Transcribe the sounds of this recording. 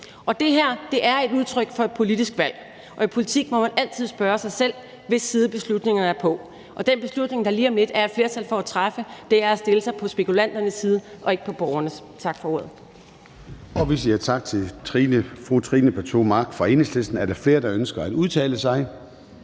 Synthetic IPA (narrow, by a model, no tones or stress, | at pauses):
ɒ̽d̥e̝ɦæɐ̰d̥e̝ʔæɐe̝d̥uð̞ˠt͡sʰʁœɡ̥fɒ̽e̝d̥̚pʰo̝lid̥isɡ̥ʋæl̰ | ʔɒ̽ipʰo̝lit͡sʰiɡ̥mɒ̽mænæl̰t͡sʰið̞̰ˠsb̥ɶːɐsɑ̈ɪsel̰ | ʋe̝sːiːð̞ˠəb̥e̝slud̥ne̝ŋɐnəæɐpʰɒ̽ | ʔɒ̽d̥enb̥e̝slud̥ne̝ŋd̥ɑ̈liɐmle̝d̥æɐed̥fle̝ɐt͡sʰæl̰fɒ̽æt͡sʰʁafəd̥e̝æɐæsd̥e̝ləsɑ̈ɪpʰɒ̽sb̥e̝kʰulæn̰d̥ɐnəsːiːð̞ˠəʔɒ̽e̝ɡ̥əpʰɒ̽b̥ɒʊɐnəs | t͡sʰɑ̈ɡ̥fɒ̽o̝ɐ̰ðˠ | ɒ̽ʋe̝siæɐt͡sʰɑ̈ɡ̥̚t͡sʰe̝t͡sʰʁinəfʁut͡sʰʁiːnəpʰɒt͡sʰo̝̰ːmɑ̈ːɡ̥fʁɑ̈e̝ːneslesd̥n̩æɐɾ̥ɑ̈fle̝ːɐd̥ɑ̈ønsɡ̥ɐæd̥uðˠt͡sʰɛ̰ːləsɑ̈ɪ